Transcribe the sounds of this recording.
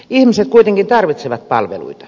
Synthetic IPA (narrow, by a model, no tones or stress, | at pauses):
ihmiset̪̚kuit̪eŋkint̪ɑrʋit̪seʋɑt̪̚pɑ̰lʋḛlṵit̪ɑ̥